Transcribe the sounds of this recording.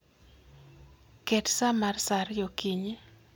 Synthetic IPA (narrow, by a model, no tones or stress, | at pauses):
kɛtsamarsaɾjokiɲe